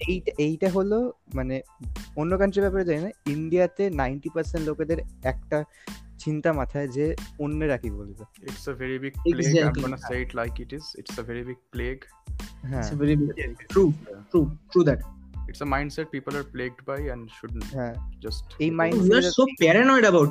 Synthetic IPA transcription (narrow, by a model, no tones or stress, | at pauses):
ejʈaʔejʈaɦolomaneonːokanʈɾibɛpaɾed͡ʑaenaiɳɖijat̪enaɪɳʈipəɾsẽɳʈloked̪eɾɛk̚ʈa | t͡ɕint̪amat̪ʰaed͡ʑeonːeɾakibo̰letaɪʈseveɾibiɡ̚peleɡɛ̃iɡɔnaseɪʈlaɪkɪʈɪzɪ̰ʈsəveɾibiɡ̚pleɡ | ɦɛ̃sveɾibiɾut̪ɾut̪ɾud̪ɛʈɪʈsəmãɪ̃ɳɖsɛʈ̚piːpəlaɾpleːɡ̚ɖbaɪɛ̃ɳɖʃʊɖnɦɛ̃d͡ʒɐsʈejmajnjiasopɛɾenɔɪɖəbaʊʈ